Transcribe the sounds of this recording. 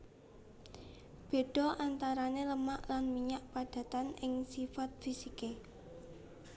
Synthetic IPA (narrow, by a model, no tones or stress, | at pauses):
b̥e̤ɖ̪̥ɔ̤ʔant̪aɾaneləmaʔlanmiɲaʔpad̥ä̤t̪anɪŋsifat̪̚fisike